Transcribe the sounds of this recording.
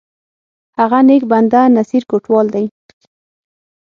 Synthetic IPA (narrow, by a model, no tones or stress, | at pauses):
haɣanek̚band̪anasiɾkoʈwɑld̪aj